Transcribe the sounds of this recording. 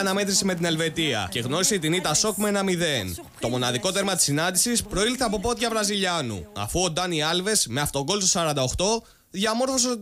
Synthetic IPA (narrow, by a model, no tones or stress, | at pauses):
ɐnɐme̞t̪ɾiseme̞t̪ine̞lve̞t̪iɐ̰ce̞ɣno̞ɾise̞it̪init̪ɐso̞kmeenɐmiðe̞n | t̪o̞mo̞nɐðiko̞t̪e̞ɾmɐt̪i̥sinɐnd̪isispɾo̞ilθeɐpo̞po̞t̪ʝɐvɾɐziʎɐnṵɐ̰fuod̪ɐniɐlve̞sme̞ɐft̪o̞ɡo̞lsosɐɾɐnd̪ɐo̞xt̪o̞ | ðʝɐmo̞ɾfo̞s̬e